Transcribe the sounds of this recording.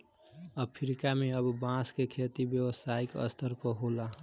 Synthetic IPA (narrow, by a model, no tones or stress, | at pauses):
əpʰɾikameəbbãskekʰet̪ibjəwəsaikə̰st̪ʰəɾpəɦola